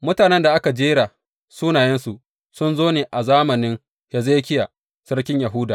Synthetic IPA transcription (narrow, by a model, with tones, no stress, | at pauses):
mʊ˦taː˨nɛ˦nda˨ʔa˦ka˨d͡ʒeː˦ɾa˨ | suː˦naː˨jɛ˦nsu˨ | sʊ˦nzoː˦neː˨ʔa˨zaː˦mɐ˨nɪ˦ŋ | ha˨zeː˦kʲɪ˦ja˨ | sɐ˦rkʲɪ˦ɲja˨ɦʊ˦daː˨